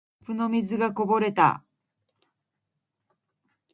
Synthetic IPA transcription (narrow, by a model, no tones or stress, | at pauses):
pɯ̟no̞mʲizɨɡako̞bo̞ɾe̞t̪a̰